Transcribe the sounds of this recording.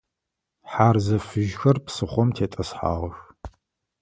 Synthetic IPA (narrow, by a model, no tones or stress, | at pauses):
ħaːrzɐfɨʒxɐrpsɨχʷɔmtʰeːtʼɐsħa̰ːʁɐx